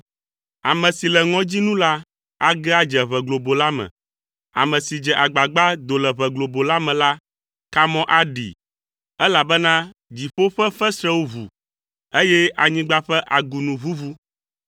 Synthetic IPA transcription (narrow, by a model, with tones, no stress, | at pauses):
a˨mɛ̃˨si˨lɛ˨ŋɔ̃˦d͡ʑi˦nũ˦la˦ | a˦ɡɛ˦a˦d͡ʒɛ˨βɛ˨ɡlo˨bo˨la˦mɛ̰̃˨ | a̰˨mɛ̃˨si˨d͡ʒɛ˨ʔa˨ɡ͡ba˨ɡ͡ba˦d̪o˨lɛ˨βɛ˨ɡlo˨bo˨la˦mɛ̃˨la˦ | ka˦mɔ̃˦ʔa˦ɖḭ˨ | ɛ˦la˨bɛ˦nã˦d͡ʑi˨ɸo˦ɸɛ˦ɸɛ˦sɾɛ˦wo˦vṵ˨ | e˦jɛ˦ʔa˨ɲĩ˦ɡ͡ba˦ɸɛ˦ʔa˨ɡu˨nũ˨vu˦vu˦